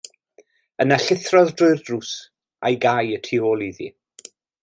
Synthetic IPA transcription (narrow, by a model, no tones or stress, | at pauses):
ənaɬɪθrɔðdrʊɨrd̥rus | a̰jɡajətʰiːoːlˠiðḭ